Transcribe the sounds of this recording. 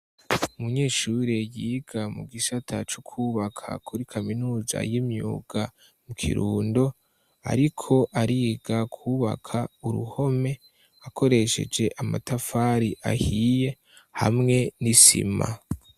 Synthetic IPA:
umuɲeːʃuɾejiːɡ̥amṵɡisatʰat͡ʃukʰuːβakʰa̰kʰuɾikʰaminuːza̰jimɲṵːɡ̥a | mukʰḭɾuːndo̞ | a̰ɾikʰo̞ʔaɾiːɡ̥akʰuːβa̰kʰauɾṵho̞me̞ | ako̞ɾe̞ʃe̞̰d͡ʒe̞ʔama̰tafaːɾiʔa̰hije̞ | ha̰mŋe̞nisḭma̰

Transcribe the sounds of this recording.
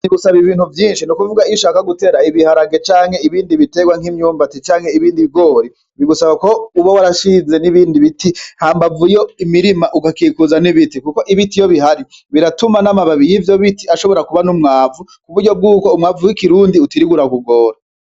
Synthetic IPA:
niɡusaβiβiːn̥huvjiːnʃinukuvuɡaiʃaːkaɡute̞ːɾaiβihaɾaɡe̞t͡ʃaːŋhe̞iβiːndiβite̞ɡwaŋhimɲuːmbatet͡ʃaːŋhe̞iβiːndiβiɡo̞ːɾi | βiɡusaβako̞uβawaɾaʃiːnze̞niβiːndiβitihaːmbavujo̞imiɾimaʔuɡakikuzaniβitikuko̞ʔiβitijo̞βiɦaɾi | βiɾatumanamaβaβijivjo̞βitiaʃo̞βo̞ɾakuβanumŋaːvu | kuβuɾɟo̞b̚ɡuːko̞umŋaːvuwikiɾuːndiutiɾiɡuɾakuɡo̞ːɾa

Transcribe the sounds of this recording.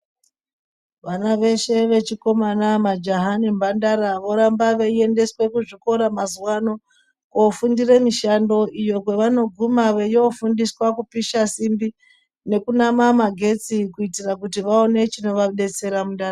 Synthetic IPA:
ʋanaʋe̞ʃe̞ʋe̞t͡ʃiko̞manamad͡ʒaɦanimbandaɾaʋo̞ɾambaʋeie̞nde̞swe̞kuʐiko̞ɾamazuwano̞ | kofundire̞miʃando̞ʔijo̞kwe̞ʋano̞ɡʱumaʋejofundiswakupiʃasimbi | ne̞kunamamaɡʱe̞t͡sikuitirakutiʋao̞ne̞t͡ʃino̞ʋaɗe̞t͡se̞ɾamundar

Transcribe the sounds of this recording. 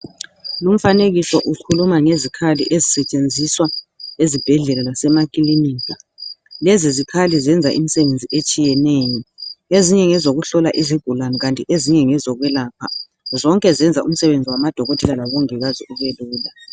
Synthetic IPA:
lum̩faneɣisɔʔukʰulumaŋezikʰaliʔezisɛt͡ʃʼend͡zʱiswaezib̥ʱɛɮɛlalasɛmakʼiliniːkʼalɛzizikʰalizɛnd͡zʱaʔimisɛβend͡zʱiʔet͡ʃʼijɛnejɔeziɲɛŋɛzoɣuɬɔlaʔiziɡ̥ʱulaniɣantʼiʔeziɲɛŋɛzɔɣwɛlaːpʰa̰ | zɔŋkʼɛzɛnd͡zʱaum̩sɛβend͡zʱiwamad̥ʱɔɣotʰɛlalaβɔŋɛɣaziʔuβeluːla

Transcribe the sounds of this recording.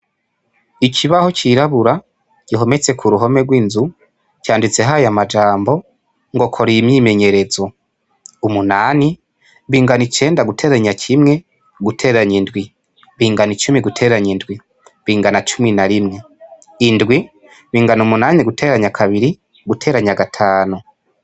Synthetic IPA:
ikʰiβaho̞ciɾaβuɾa | ɟ̥iɦo̞met͡se̞kʰuɾuɦo̞me̞ɡwiːnzu | caːndit͡se̞ɦajamad͡ʒaːmbo̞ | ŋɡo̞kʰo̞ɾiimɲime̞ɲe̞ɾe̞zo̞ | umunaːni | βiːŋɡanit͡ʃe̞ːndaɡutʰe̞ːɾaɲakʰimŋe̞ | ɡutʰe̞ːɾaɲindɡwi | βiːŋɡanit͡ʃumiɡutʰe̞ːɾaɲindɡwi | βiːŋɡanat͡ʃuminaɾimŋe̞ | indɡwi | βiːŋɡanumunaːniɡutʰe̞ːɾaɲakʰaβiɾi | ɡutʰe̞ɾaɲaɡatʰaːnu

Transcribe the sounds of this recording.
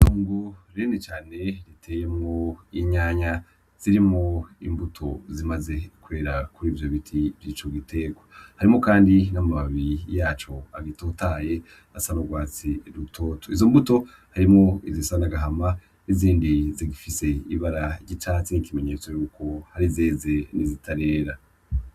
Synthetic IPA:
tuːŋɡuɾenet͡ʃaːne̞ɾitʰeːjemŋoiɲaːɲa | z̥iɾimŋoḭmbutʰo̞̰zimaze̞kuβe̞ːɾakuɾiːvjo̞βitʰivjiːt͡ʃoɡitʰe̞ːɡohaɾimŋokaːndinamaβaβijaːt͡ʃo̞aɡitotaːje̞ | asaβaɡwaːt͡siɾutʰo̞ːtʰoizo̞mbuto̞ | haɾimŋoizisaanaɡaɦama | iziːndiziɡifise̞iβaɾaɟit͡ʃaːt͡sinikime̞ɲe̞t͡so̞juːko̞haɾizeːze̞nizitʰaɾe̞ːɾa

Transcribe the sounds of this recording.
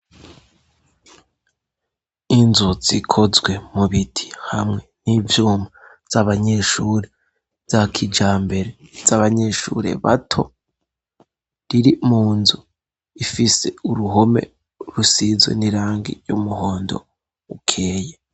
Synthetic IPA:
inzuz̥ikʰozɡwe̞muβitʰi̥hamŋe̞niːvjuːma | z̥aβaɲe̞ʃuːɾe | z̥akʰid͡ʒaːmbe̞ɾezaβaɲe̞ʃṵːɾe̞̰βa̰tʰo̞ | ɾiɾimuːnzu | ifise̞̰uɾuɦo̞me̞̰ | ɾusizwḛniɾaːŋɡḭjumuhoːndo̞̰ | ukʰe̞ːje

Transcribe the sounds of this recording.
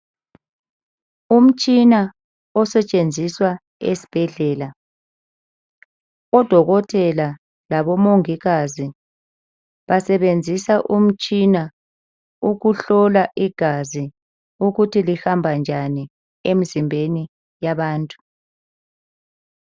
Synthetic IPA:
um̩t͡ʃʼina | ɔsɛt͡ʃʼend͡zʱiswa | ḛsi̥b̥ʱɛɮɛːla | ɔd̥ʱɔɣɔtʰʼɛla | laβɔmoŋiɣazi | βasɛβend͡zʱisaʔum̩t͡ʃʼina | uɣuɬɔlaʔiɡ̥ʱazi | uɣutʰilihambʱand͡ʒʱani | em̩zimbʱeni | jaβaːntʼu̥

